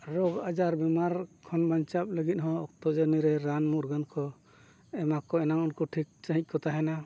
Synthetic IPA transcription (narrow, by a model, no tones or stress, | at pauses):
ɾɔɡad͡ʒaɾbɛmaɾkʰɔnbaɲt͡ʃap̚ləɡit̪̚ɦɔ̃ɔk̚t̪ɔd͡ʒaniɾɛɾanmuɾɡankʰɔ | ɛmakɔɛnaŋɔnkɔʈʰik̚t͡ʃaɦic̪̚ˀkɔt̪aɦɛna